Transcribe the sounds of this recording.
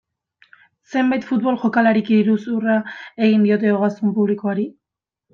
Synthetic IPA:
se̞mbajt̪fut̪βo̞lxo̞kalaɾikiiɾusurae̞ɣind̪io̞t̪̬e̞oɣasumpuβlikoaɾi

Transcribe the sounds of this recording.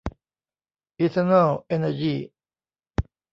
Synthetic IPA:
it̪ʰənəlɛnəd͡ʒi

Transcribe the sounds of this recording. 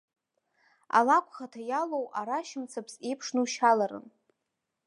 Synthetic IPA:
a̰lakʷʰʼχatʰajalowʔaɾaʃɪmt͡sʰapʰse̞jpʰʂnɨʃalaɾɨ̰n

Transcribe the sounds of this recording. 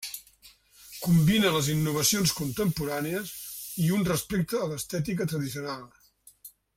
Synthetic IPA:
kumbinələzinːuβ̞əsionskunt̪əmpuɾaneəsiunrəspek̚t̪əːləst̪ɛt̪̬ik̬ət̪ɾəðisiunalˠ

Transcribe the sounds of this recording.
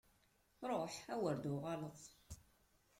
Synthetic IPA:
ɾˤoħæwəɾd̪uʁɑləðˤ

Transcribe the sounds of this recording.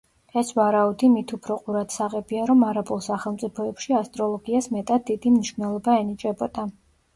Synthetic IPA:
ɛsvaɾaud̪imit̪ʰupʰɾɔqʼuɾat̪saʁɛbiaɾɔmaɾapʼulˠsaχɛlˠmt̪sʼipʰɔɛpʃiast̪ʼɾɔlˠɔɡiasmɛt̪ʼad̪̚ːid̪imniʃvnɛlˠɔbaɛnit͡ʃʼɛbɔd̪̥a

